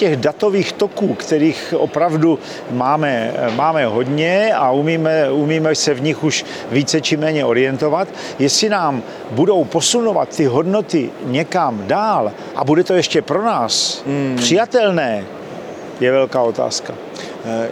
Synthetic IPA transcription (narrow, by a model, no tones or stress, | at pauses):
cɛɣdat̪o̞viːxt̪o̞kuːkt̪ɛɾiːxʔo̰pɾavdu | maːmɛmaːmɛɦo̞d̪ɲɛaumiːmɛumiːmɛsɛvɲɪxuʃ | viːt͡sɛt͡ʃɪmɛːɲɛʔo̞ɾɪjɛnt̪o̞vat̪ | jɛsɪnaːm | budo̞wpo̞sunova̰t̪ːɪɦo̞dno̞t̪ɪɲɛkamdaːl | ʔa̰budɛt̪o̞jɛʃcɛpɾo̞naːspr̥ɪjat̪ɛlnɛː | jɛvɛlkaːo̞t̪a̰ːska